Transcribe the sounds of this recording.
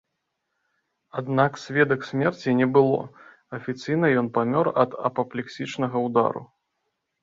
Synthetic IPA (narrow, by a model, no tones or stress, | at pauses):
ad̪naksʲvʲɛd̪ɐksʲmʲɛrt͡sʲinʲɛbɨlˠɔ̰ | ɐfʲit̪sɨjnɐjɔnpamʲɔrɐd̪ɐ̰pɐplʲɛksʲit͡ʂnɐɣɐwd̪a̰ɾṵ